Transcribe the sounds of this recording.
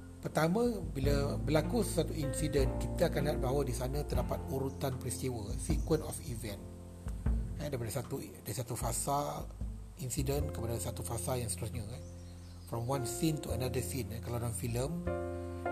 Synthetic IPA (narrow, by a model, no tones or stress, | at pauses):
pərt̪amə̃bilabəlakussat̪uinsidənkit̪aakanliɦat̪̚baɦawədisanãt̪ərdapat̪̚uɾut̪anpɾist̪iwəsikwə̃nɔfivɛ̃n | adapadasat̪u | daɾisat̪ufasal | insidənkəpadasat̪ufasaljãŋst̪əɾusɲa | fɾɔmwãnsint̪uənadəsinakalawdanfiləm